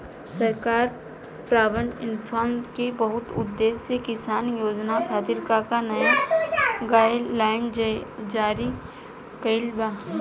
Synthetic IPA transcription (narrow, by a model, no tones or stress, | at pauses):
səɾkaːɾ | pɾaːbə̃nɪnfʰaːnd̪kebəɦʊt̪ʊ̰d̪ːeːsekɪsaːnjoːd͡ʒnat̪ʰat̪ɪɾkakanɐja | ɡalaːɪnd͡ʒaːɾi | kəɪlbaː